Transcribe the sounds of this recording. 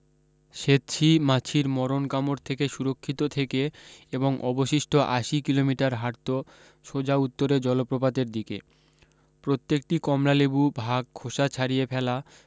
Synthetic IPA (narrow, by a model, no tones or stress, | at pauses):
ʃet̪ːt͡ɕʰimat͡ɕʰiɾmɔɾonkamoɾt̪ʰekeʃuɾokʰːit̪ot̪ʰekeeboŋʔɔboʃiʃʈʰoʔa̰ʃikilomiʈaɾɦaɾt̪o | ʃod͡ʑaut̪ːoɾed͡ʑɔlopɾopad̪eɾd̪ikḛ | pɾot̪ːek̚ʈikɔmlalebubʱaɡ̚kʰoʃat͡ɕʰaɾiepʰɛla